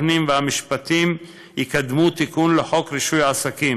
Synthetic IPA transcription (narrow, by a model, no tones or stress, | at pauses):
nimveamiʃpat̪im | jikad̪mut̪ikunleħo̞kɾiʃujaasakim